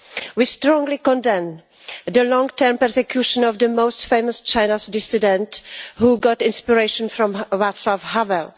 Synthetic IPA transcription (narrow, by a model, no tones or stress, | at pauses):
wistɾɔ̃ŋɡlikɔ̃ndɛ̃m | d̪əlɔ̃ŋɡtɛɾmpɛɾsɛkjuʃɔ̃nɔvd̪əmoʊstfẽjmɔst͡ʃajnasdɪsidɛ̃nthuɡɔtɪ̃nspiɹeʃɔ̃nfɾɔ̃mɹat̪slavhavɛl